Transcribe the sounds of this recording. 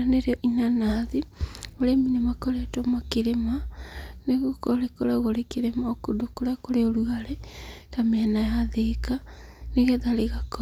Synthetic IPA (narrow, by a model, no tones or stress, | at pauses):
aneɾeɔʔinanaðioɾeminimakoɾetomakeɾemaneɣukoɾekoɾaɣoɾekeɾemaokudokoɾakoɾeoɾuaɾɛtameɛnajaðekaneɣɛðaɾeɣakɔ